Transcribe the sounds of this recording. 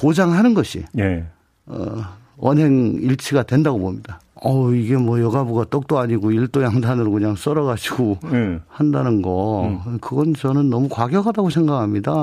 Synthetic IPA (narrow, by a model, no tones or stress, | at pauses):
pod͡ʑaŋɦanɯnɡʌɕʰḭje | ʌ̰ | ʌnɦe̞ŋiɭt͡ɕʰiɡadwe̞ndaɡobomɲida | ʌiɡe̞mwʌjʌɡabuɡat͈ok̚t͈oaɲiɡoiɭt͈ojaŋdʰanɯɾokɯɲaŋs͈ʌɾʌɣaɕʰiɡohandanɯnɡʌkɯɡʌnt͡ɕʌnɯnːʌmukwaɡjʌkadaɡosʰe̞ŋɡakʰamɲida